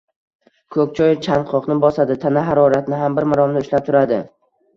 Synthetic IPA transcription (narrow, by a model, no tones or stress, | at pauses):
kʰɵk̚ʲt͡ʃʰɒjt͡ʃʰanqʰɒqnɪbɒsad̪ɪt̪ʰanaɦaɾɒɾat̪nɪɦambɪɾmɪɾɒmnɪʊʃlap̚t̪ʰʊɾad̪ɪ